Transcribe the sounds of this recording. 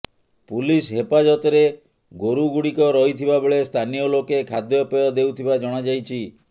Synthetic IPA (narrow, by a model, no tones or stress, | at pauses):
pulisɦepad͡ʒɔt̪ɔɾe | ɡoɾuɡuɽikɔɾɔɦit̪ʰibabeɭest̪ʰanijɔlokekʰad̪jɔpejɔd̪euwt̪ʰibad͡ʒɔɽ̃ad͡ʒajt͡ʃʰi